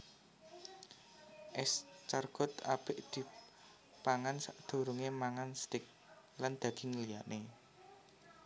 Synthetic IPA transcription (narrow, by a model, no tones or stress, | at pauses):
ʔɛst͡ʃarɡ̥ɔ̤t̪a̰b̥ɪʔd̪̥i̤ | paŋansaʔd̪̥o̤ɾuŋemaŋanst̪ɪk̚ | land̪̥ä̤d̪̥i̤ŋəlijaʔne